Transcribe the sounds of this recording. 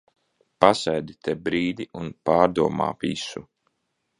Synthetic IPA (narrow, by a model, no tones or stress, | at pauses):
pasɛjd̪it̪ʰebɾiːd̪ʲiʔunpaːɾd̪uɔma̰ːvisu